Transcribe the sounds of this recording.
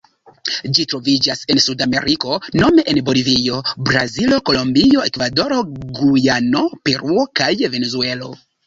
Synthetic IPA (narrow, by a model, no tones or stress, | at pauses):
d͡ʒitɾo̞vid͡ʒase̞nsudamḛɾiko̞no̞me̞ʔenbo̞livio̞bɾazilo̞ko̞lo̞mbio̞e̞kvado̞ɾo̞ɡujano̞pe̞ɾuo̞kajve̞nezue̞lo̞